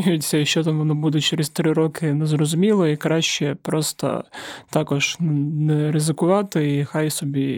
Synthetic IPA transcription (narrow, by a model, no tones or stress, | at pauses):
jʊt͡sʲːɐiʃt͡ʃɔt̪amʋɔnɔbud̪ɛt͡ʃɛɾest̪ɾɪɾɔkɪnɛzɾɔzʊmʲilˠɔikɾɑʃʲt͡ʃɛpɾɔst̪ɐ̰t̪ɑkɔʒ̥nɛɾɪzɪkʊʋɑt̪ɪixajsɔbʲi